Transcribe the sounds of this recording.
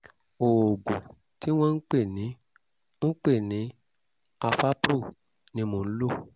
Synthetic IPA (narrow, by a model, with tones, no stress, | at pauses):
o˨o˨ɡo˨ | ti˦w̃ɔ̃˦n̩˦k͡pe˦˨nĩ˨˦ | n̩˦k͡pe˦˨nĩ˨˦ | a˧fa˦pɾu˦˨ | nĩ˦mõ˨n̩˦lo˦˨